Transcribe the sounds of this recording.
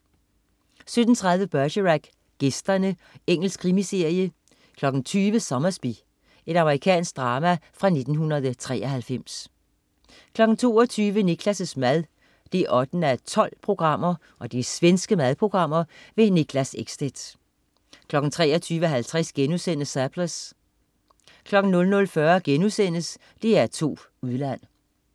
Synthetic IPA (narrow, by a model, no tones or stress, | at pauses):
sød̥n̩t͡sʰʁɑ̈ð̞ˠʋəb̥ɶɐɕəʁæɡ̥ | ɡ̥esd̥ɐnəeŋ̰l̩skʰʁimise̝ɐ̰jə | kʰlɒ̽ɡ̥n̩t͡sʰyːʋəsɒ̽mɐsb̥i | e̝ɾɑ̈məʁikʰɛ̰ːnsɡ̥̚d̥ʁɑ̈ːmæfʁɑ̈ne̝d̥n̩ɦunɐð̞ˠt͡sʰʁɛ̰ːɐɦælfem̰s | kʰlɒ̽ɡ̥n̩t͡sʰo̝̰ːɒt͡sʰyːʋəniɡ̥ʰlæsəsmæðˠ | d̥eæʔɒ̽d̥n̩æt͡sʰɒ̽l̰pʰʁo̝ɡ̥ʁɑ̈m̰ɐ | ʔɒ̽d̥isʋensɡ̥əmæð̞ˠpʰʁo̝ɡ̥ʁɑ̈m̰ɐʋe̝niɡ̥ʰlæseɡ̥sd̥ed̥ | kʰlɒ̽ɡ̥n̩t͡sʰʁɛ̰ːɐt͡sʰyːʋɦælt͡sʰʁɛsɡ̥enusen̰sæpʰləs | kʰlɒ̽ɡ̥n̩nɔ̽lnɔ̽lfɶɐɡ̥enusen̰əs | d̥e̝æɐt͡sʰo̝̰ː | uð̞ˠlæn̰